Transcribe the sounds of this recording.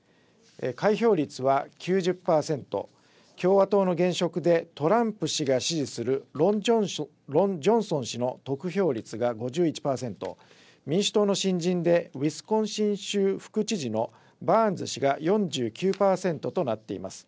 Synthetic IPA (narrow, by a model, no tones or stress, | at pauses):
ḛkaiço̞ːɾʲit͡sɨβakʲʰɨːʑɨpːaːsẽ̞nt̪o̞̰ | kʲo̞ːβat̪o̞ːno̞ɡẽ̞ɰ̃ɕo̞kɯ̟d̪e̞t̪o̞ɾãmpɯ̟ɕiɡaɕiʑisɨɾɯ̟ɾo | ɾod͡ʑõ̞ɰ̃sõ̞ɕino̞t̪o̞kɯ̟ço̞ːɾʲit͡sɨɡaɡo̞ʑɨːit͡ɕi̥paːsẽ̞nt̪o̞̰ | mʲĩɰ̃ɕi̥t̪o̞ːno̞ɕĩɲd͡ʑĩnd̪e̞βisɨ̥kõ̞ɰ̃ɕĩɰ̃ɕɨːɸɯ̥kɯ̟t͡ɕiʑino̞ | band͡zɨɕiɡajõ̞ɲd͡ʑɨːkʲɨːpaːsẽ̞nt̪o̞t̪o̞nat̪ːe̞̰ḭmasɨ̥